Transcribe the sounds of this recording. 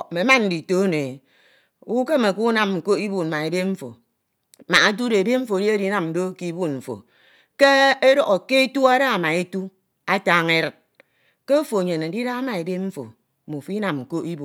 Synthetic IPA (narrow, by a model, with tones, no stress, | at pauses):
me˨˦ma˦n̩˦di˨to˦ne˨ | u˦ke˦me˨ku˦na˨m̩˨ko˦i˦bu˨n˨ma˨e˨de˦ɱ̩˦fo̰˨ | ma˨a˦t̬u˦e˨be˦ɱ̩˦fo˨di˦e˦di˦na˨m̩˨do˦ki˦bu˦nm̩˨fo̰˨ | ke˦e˦ɾɔ˨ɣo˨ke˦e˦tu˦a˦ɾa˦a˨ma˨e˦tu˦ | a˦taː˦ŋe˦ɾɨ˨t̚ | ke˦o˦fo˨ɲe˨ne˨˦di˦ɾa˦a˦ma˨e˨de˦ɱ̩˦fo̰˨ | mo˨fi˦na˨mŋ̩˨ko˦i˦bu˨